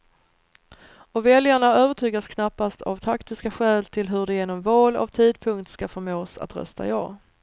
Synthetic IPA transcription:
ɔvɛljaɳaøːvəʈʰyːɡaskʰnapːast̪ʰa̰vt̪ʰakt̪ɪskaɧɛːlt̪ʰɪlɦɵɖɛjeːnɔmvɑːla̰vt̪ʰiːd̪pʰɵŋk̚t̪skafœɾmoːsa̰t̪ɾœ̰st̪a̰ɪjɑ̰ː

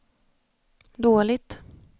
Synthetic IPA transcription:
d̪oːlɪɡ̚t̪

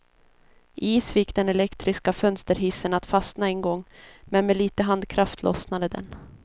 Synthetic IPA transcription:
ʔiːsfɪkːd̪ɛnɛlɛkt̪ɾɪskafœnst̪əɾɦɪsənat̪fasnaɛnɡɔŋːmɛnmɛliːt̪əɦand̪kʰɾaft̪ʰlɔ̰snad̪əd̪ɛ̰n

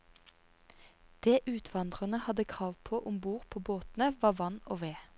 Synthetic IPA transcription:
d̪̥eːʔʉːt̪ʰʋɑnd̪ʁənəhɑd̪əkʰʁɑːʋpʰoːʔʊmbuːʁpʰoːboːt̪n̩əʋɑːʋɑno̰ːʋeː

